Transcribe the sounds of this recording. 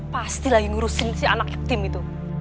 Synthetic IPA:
past̪ilaiŋuɾusɪnsia̰nak̚ɛk̚t̪ɪmit̪u

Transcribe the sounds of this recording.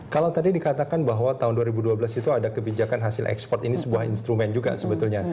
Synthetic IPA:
kalawt̪adidikat̪akanbaɦwat̪aɦʊnduaɾibuduabəlasit̪uadakəbid͡ʒakanɦasɪlʔɛ̰kspɔrt̪inisəbuahḭnst̪ɾumɛnd͡ʒuɡa̰səbət̪ulɲa

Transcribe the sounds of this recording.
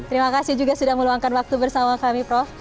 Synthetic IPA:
t̪əɾimakasihd͡ʒuɡasudahməluaŋkanwak̚t̪ubərsamakamipɾɔf

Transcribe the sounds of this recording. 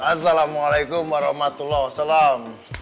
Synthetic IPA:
asalamualajkʊmwaɾɑhmat̪ulːahwasalam

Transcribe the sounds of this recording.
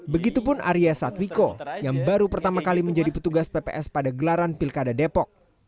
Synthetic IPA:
bəɡit̪upʊnʔa̰ɾiasat̪wikojaŋbaɾupərt̪amakaliməɲd͡ʒadipət̪uɡaspepḛʔɛspadaɡəlaɾanpilkadadepɔk̚

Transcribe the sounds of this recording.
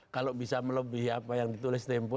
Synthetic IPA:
kalobisamələbiɦapajaŋdit̪ulɪst̪ɛmpɔ

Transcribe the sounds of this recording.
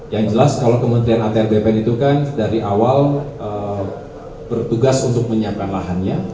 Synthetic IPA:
jaŋd͡ʒəlaskalawkəmənt̪ɾianat̪eɛrbepɛnit̪ukandaɾiʔawalʔə | bərt̪uɡasunt̪ʊk̚məɲiakkanlaɦanɲa

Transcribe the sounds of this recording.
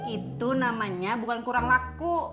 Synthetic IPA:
it̪unamaɲabukankuɾaŋlaku

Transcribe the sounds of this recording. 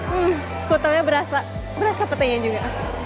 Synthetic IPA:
kut̪awɲabəɾasa | bəɾasapərt̪aɲad͡ʒuɡa

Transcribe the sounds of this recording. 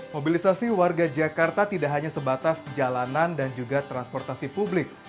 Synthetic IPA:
mobilisasiwarɡad͡ʒakart̪at̪idaʔɦaɲasəbat̪asd͡ʒalanandand͡ʒuɡat̪ɾanspɔrt̪asipublɪk̚

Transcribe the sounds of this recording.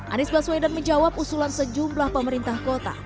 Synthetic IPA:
ʔa̰nɪsbaswadanməɲd͡ʒawap̚usulansəd͡ʒumblahpəməɾint̪ahkot̪a̰

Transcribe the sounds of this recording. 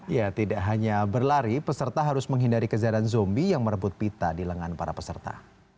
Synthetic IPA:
jat̪idaʔɦaɲabərlaɾipəsərt̪aɦaɾʊsməŋɦindaɾikəd͡ʒaɾanzɔmbijaŋməɾəbʊt̪̚pit̪adiləŋanpaɾapəsərt̪a̰

